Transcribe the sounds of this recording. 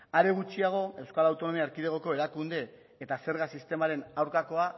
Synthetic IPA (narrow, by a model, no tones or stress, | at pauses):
aɾeɣ̞ut͡ʃiaɣ̞o̞e̞wskalawt̪o̞no̞miaːɾkiðeɣoko̞e̞ɾakund̪e̞ː | t̪ase̞ɾɣasist̪e̞maɾe̞nawɾkako̞a